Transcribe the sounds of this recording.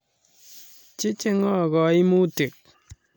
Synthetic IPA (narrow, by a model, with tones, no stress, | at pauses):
t͡ʃe˦t͡ʃe˦ŋɔ˦˨ɣɔ˨i˦mu˦te˨k̚